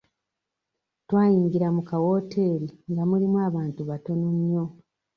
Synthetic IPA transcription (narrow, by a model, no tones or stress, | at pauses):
twaːjiːŋɡiɾamukawo̞ːtʰe̞ːɾiŋɡamulimwaːβaːntuβato̞numjo